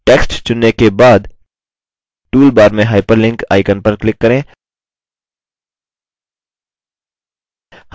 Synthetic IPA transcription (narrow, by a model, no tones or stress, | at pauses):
ʈeːksʈt͡ʃʊnːekebaːd̪ | ʈuːlbaːɾmẽɦaːɪpəɾlɪ̃ŋka̰ːɪkənpəɾklɪkːɐɾẽː | h